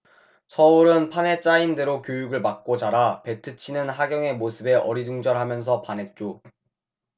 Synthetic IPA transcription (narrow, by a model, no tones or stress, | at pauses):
sʰʌuɾɯnpʰane̞t͡ɕ͈ainde̞ɾokjojuɡɯɭmak̚k͈ot͡ɕaɾape̞tʰɯt͡ɕʰinɯnɦaɡjʌŋe̞mosʰɯbe̞ʔʌɾiduŋd͡ʑʌɾɦamjʌnsʰʌpanɦe̞t̚t͡ɕ͈o